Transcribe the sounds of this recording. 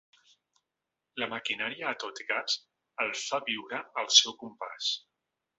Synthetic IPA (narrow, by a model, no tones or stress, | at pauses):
ləməkinaɾiaːt̪ot̪kaz̥ | əlˠfaβiwɾəəlˠsɛwkumpa̰s